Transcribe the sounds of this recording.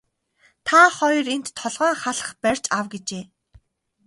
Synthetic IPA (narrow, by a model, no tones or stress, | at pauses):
t̪ʰaχɔjrent̪ʰːɔɮʁœːŋχaɮə̥̆χpærʲt͡ɕawɡet͡ɕeː